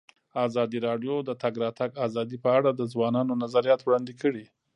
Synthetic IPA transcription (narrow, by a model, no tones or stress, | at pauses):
ɑzɑd̪iɾɑɖjod̪ət̪aɡɾɑt̪aɡɑzɑd̪ipəaɽad̪əzwɑnɑnonazaɾijɑt̪wɽɑnd̪ikəɽi